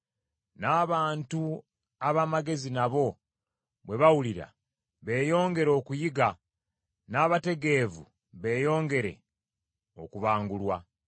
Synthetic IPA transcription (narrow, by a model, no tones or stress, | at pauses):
naːβaːntu | aβamaɡe̞zinaβo̞ | βwe̞βawuliɾa̰ | βe̞ːjo̞ːŋɡe̞ɾo̞ːkujiɡa | naːβate̞ɡe̞vṵ | βe̞ːjo̞ːŋɡe̞ɾe̞̰ | o̰kuβaːŋɡulwa